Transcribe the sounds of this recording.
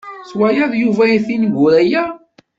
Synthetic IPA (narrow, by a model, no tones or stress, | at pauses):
swæjæðˤjuvæiθinɡʊɾæjæ